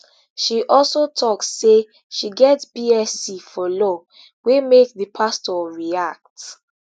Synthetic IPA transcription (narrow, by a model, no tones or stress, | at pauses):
ʃiʔɔlsotʰɔksːe | ʃiɡɛtsbiɛsifɔlɔ | wemek̚ðəpʰastɔɹiak̚t